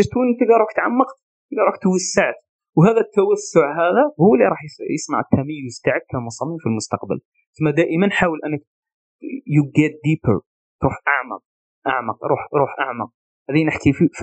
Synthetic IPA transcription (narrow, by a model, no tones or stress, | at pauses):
əʒt̪unt̪əɡɑɾˤukt̪ʕamːəq̪ | t̪əɡɑɾˤukt̪wæsːaʕt̪ | wɦæðæt̪ːæwæsːʊʕɦæðæhulːiɾˤɑħjjəsna̰ʕt̪ʰːæməjːʊzt̪aʕakːæmʊsˤɑmimfilmʊst̪ɑqbə̰l | θʊmːæd̪æʔəmənːħawəlʔænːək̚ | juɡɛt̪̚d̪ipə̰ɾ | t̪ɾuħʔaʕmɑ̰q̚ | ʔa̰ʕmɑq̚ɾˤuħɾˤuħʔa̰ʕmɑq̚ | hæðinəħkʰifif